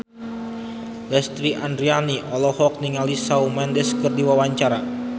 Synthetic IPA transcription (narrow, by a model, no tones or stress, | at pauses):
lɛst̪ɾiʔandɾianiʔɔlɔhɔk̚niŋalisawmɛndɛskərdiwawaɲt͡ʃaɾa